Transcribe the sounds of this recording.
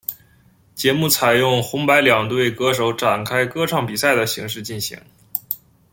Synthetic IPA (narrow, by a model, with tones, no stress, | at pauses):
t͡ɕjɛ˧˥mu˥˩t͡sʰa˨˩ɪjʊ˥˩ŋxʊ˧˥ŋpa˧˥ɪljɑ˨˩ŋt̪we˥˩ɪkɤ˧˥ʂ̬o˧˥ʊʈ͡ʂa˨˩nkʰa˥ɪkɤ˥ʈ͡ʂʰɑ˥˩ŋpi˨˩sa˥˩ɪd̪ə˩ɕi˧˥ŋʂɻ̩˥˧t͡ɕi˥˩nɕḭ˧˥ŋ